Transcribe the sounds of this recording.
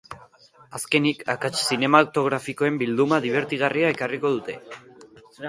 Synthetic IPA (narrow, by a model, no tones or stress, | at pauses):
aske̞nika̰kat͡ʃsine̞mawt̪o̞ɣ̞ɾafiko̞e̞mbild̪umaðiβ̞e̞ɾt̪iɣ̞ariae̞kariko̞ð̞ut̪e̞